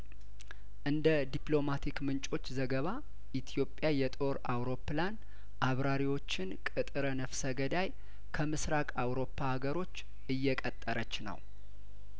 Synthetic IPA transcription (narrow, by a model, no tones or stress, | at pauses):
ʔɨnd̪əd̪iplo̞mat̪ʰikmɨnt͡ʃʼo̞t͡ʃːzəɡəβa | ʔit̪ʰijo̞pʼːjajɛt̪ʼo̞ɾawɾo̞pːlan | ʔaβɾaɾiwo̞t͡ʃːɪnkʼɨt̪ʼɨɾənəfsəɡəd̪aj | kʰəmɨsɾakʼawɾo̞pʰːahaɡəɾo̞t͡ʃː | ɨjːɛkʼət̪ʼːəɾət͡ʃːnə̰w